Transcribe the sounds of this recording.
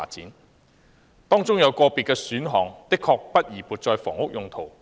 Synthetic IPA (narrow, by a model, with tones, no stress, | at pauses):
t͡siː˨˥n | t̪ɔː˥ŋt͡sʊ˥ŋjɐ˨˧wkɔː˧pi˨tkɛː˧syː˨˥nɦɔː˨˩ŋt̪ɪ˥kʰːɔː˧k̚pɐ˥t̚jiː˨˩puː˨˩t̚t͡sɔː˨˧jfɔ̰ː˨˩ŋʊ˥k̚jʊ˨ŋt̪ʰo˨˩w